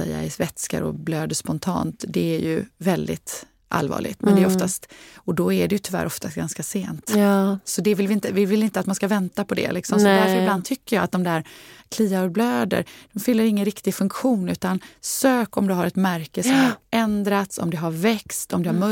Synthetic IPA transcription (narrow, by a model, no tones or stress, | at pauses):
ɛ̰jːa̰ɪsvɛt̪ska̰ɾɔ̰bløːd̪əʂpɔnt̪ʰɑ̰ːnt̪d̪ɛæɾjɵ̰vɛld̪ɪ̰t̪ | ʔa̰lvɑ̰ːɭʔɪ̰ɡt̪mɛnd̪ɛːɾɔft̪ast̪ɔd̪ɔæɖɛjɵt̪ʰʏvæ̰ːɾʔɔft̪ʰast̪̚ɡanskaseːnt̪sɔd̪ɛvɪlvɪɪnt̪əvɪvɪlɪnt̪əat̪manskavɛnt̪apʰɔd̪ɛ̰lɪksɔmsɔd̪æɾfəɾɪbland̪t̪ʰʏkːəɾjɑːat̪̚d̪ɔmd̪æɾkʰliːaɔɾbløːd̪ə̰ɾd̪̥ɔmfʏlːəɾɪŋːənɾɪkt̪ɪɡfɵŋkɧuːnʉ̟ːt̪ansøːkɔmd̪ɵɦaɾɛt̪mæɾkəsɔmhaɾɛnd̪ɾat̪sɔ̰md̪ɛɦaɾvɛkst̪ʰɔmd̪ɛhaɾmɵ